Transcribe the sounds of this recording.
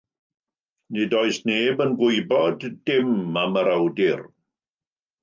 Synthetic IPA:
nidɔɨsneːbənɡwʊjbɔdːɪmaməɾawdɪr

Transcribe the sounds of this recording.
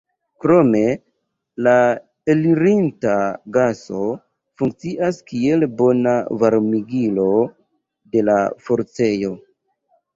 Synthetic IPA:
kɾo̞me̞ | la | eliɾintaɡaso̞ | fuŋk̚t͡siʔaskie̞lbo̞navaɾmiɡilo̞ | de̞lafo̞ɾt͡se̞jo̞

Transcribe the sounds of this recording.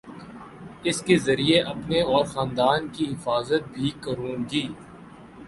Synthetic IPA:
ɪskezɐɾieʔɐpneɔːɾxãːnd̪aːnkiɦɪfaːzət̪̚bʱikɐɾũːŋɡiː

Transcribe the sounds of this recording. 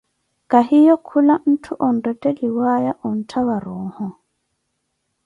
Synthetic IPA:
kʼahijɔkʰulan̩tʰuʔɔn̩dɛtʼɛliwajaʔɔn̩tʰaβaɾɔːhɔ

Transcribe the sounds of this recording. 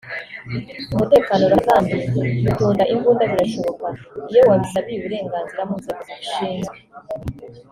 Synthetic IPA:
umute̞ːkano̞ɾazaːmbiutuːndaʔiŋɡuːndaziɾaʃo̞βo̞kaijo̞waβisaβiɾuβuɾe̞ːŋɡaːnziɾamuzaɡaɡuuʃiːŋɡe

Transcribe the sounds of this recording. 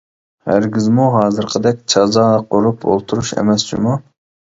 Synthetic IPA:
hæ̰ɾɡʲizmuɦɑːzɨɾqʰəd̪ɛk̚ʲt͡ʃʰɑzɑːqʰoɾupʰo̰lˠt̪ʰuɾuʃḛmɛst͡ʃʰḭmu

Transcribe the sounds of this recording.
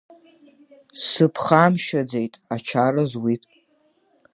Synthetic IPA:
sɨpʰχamʃad͡zejtʼat͡ʃʰaɾazwitʼ

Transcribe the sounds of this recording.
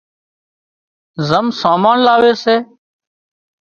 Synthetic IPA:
zəmsaːmaːnlaːʋeːseː

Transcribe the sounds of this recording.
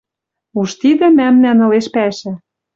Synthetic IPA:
uʃt̪id̪ɘ̆mæmnænɤ̆leʃpæʃæ̆

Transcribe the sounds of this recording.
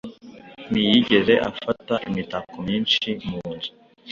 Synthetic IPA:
nijiɟe̞ze̞ʔa̰fataʔimitakomiːnʃimunzu

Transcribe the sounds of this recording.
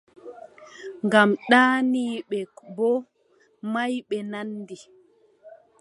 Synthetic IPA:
ŋɡamɗaːniːɓɛbɔ | majɓɛnandi

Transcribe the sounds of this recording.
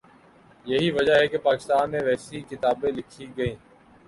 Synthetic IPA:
jəɦiːʋəd͡ʒaɦɛːkeːpaːkɪst̪aːnːẽːʋɛːsiːkɪt̪aːbẽːlɪkʰiːɡəĩː

